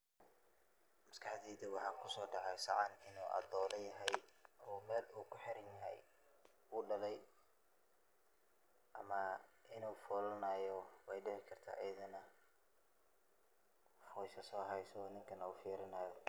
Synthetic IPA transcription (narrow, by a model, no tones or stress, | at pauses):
mɐskʰɑħd̪iːd̪ɪwɑħɑːkʰʊsɔːɖɑʕɛjsɐʕɑnɪnuːʔɐ̰d̪ɔːlɐjɐɦɛjɔːmɛːluːkʰʊħɪɾɐnjɐɦɛ̰j | uːɖɐlɛj | ʔɐmɐɪnuːfɔːlɐnaːjɔwɛjɖɪʕɪkʰɐrt̪ʰa̰ːʔɛjɐðɐnɐ | ħɑwɛsɐsɔːɦɛjsɔːnɪŋkʰɐnɐuːfiːɾɪnaːjɔ